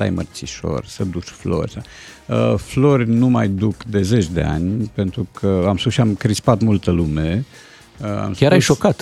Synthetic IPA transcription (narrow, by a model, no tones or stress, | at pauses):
a̰jmə̰rt͡ʃiʃo̞̰rʲsəd̪uʃflo̞̰rʲsa | əflo̞rʲnumajd̪ukd̪e̞ze̞t͡ʃd̪e̞̰a̰nʲpe̞nt̪ɾukʰəamsuʃiamkɾispat̪mult̪əlume | əa̰mskʲaɾajʃokat̪